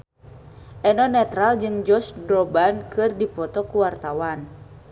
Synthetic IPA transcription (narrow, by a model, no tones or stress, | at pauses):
ʔɛnɔnɛt̪ɾald͡ʒɨŋd͡ʒɔsdɾɔbankɨrdipɔt̪ɔkuwart̪awan